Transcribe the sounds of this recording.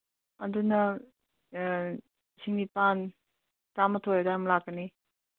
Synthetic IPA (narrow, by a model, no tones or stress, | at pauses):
andunɐ | siŋnipan | tamɐtʰojadaɾmlakːɐni